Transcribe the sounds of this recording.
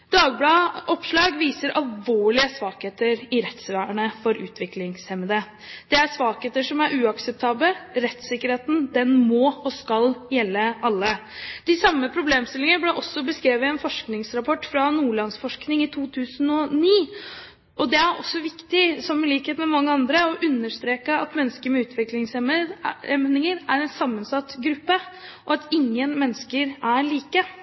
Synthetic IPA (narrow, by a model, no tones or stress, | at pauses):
d̪ɑːɡblɑːʔɔpʂɭɑːɡʋiːsəɾʔɑlʋoːɭɪəsʋɑːkheːt̪əɾɪɾɛt̪sʋæːɳəfɔɾʉ̰ːt̪ʰʋɪklɪŋshɛməd̪ə | d̪̥ɛæʂʋɑːkheːt̪əʂɔmæɾʉːɑksəp̚t̪ʰɑːbləɾɛt̪sɪkːəɾeːt̪n̩d̪ɛnmɔːɔskɑljɛlːəʔɑlːəd̪̥ɪsɑmːəpʰɾʊbleːmst̪ɪlɪŋəəblɛʔɔsːɔbəskɾeːʋəɛnfɔʂknɪŋsɾɑpʰɔʈːfɾɑnuːɭɑnsfɔʂknɪŋɪt̪ʰuːt̪ʰʉːsənɔniː | ʔɔd̪ɛæɾɔ̰sːɔʋɪkt̪ɪsɔmɪliːkheːt̪mɛmɑŋːəɑnd̪ɾəɔʔʉnːəʂt̪ɾeːkəɑt̪mɛnːskəɾmɛʉːt̪ʰʋɪklɪŋsəɛmnɪŋəɾæɾɛnsɑmːənsɑt̪ːɡɾʉpːəʔɔɑt̪ɪŋːənmɛnskəɾæɭiːkə